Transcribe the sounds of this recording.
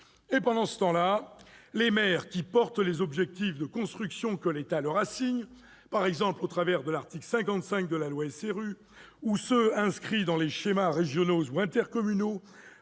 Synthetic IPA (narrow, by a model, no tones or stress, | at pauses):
epɑ̃d̪ɑ̃sə̥t̪ɑ̃lalemɛʁkʲipɔʁt̪lezɔbʒɛk̚t̪ifd̪əkɔ̃st̪χyksjɔ̃kəlet̪alœʁasiɲ | paʁɛɡzɑ̃plot̪χavɛʁd̪əlaʁt̪iklsɛ̃kɑ̃t̪sɛ̃k̚d̪əlalwaɛseʁy | usøɛ̃skχid̪ɑ̃leʃemaʁeʒjɔnozuɛ̃t̪ɛʁkɔmyno